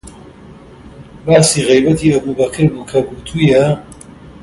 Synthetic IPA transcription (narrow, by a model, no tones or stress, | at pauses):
baːsiːʁejbɐt̪ʰiɐbuːbɐkʰɨɾbuːkʰɐbut̪ʰuːjɐ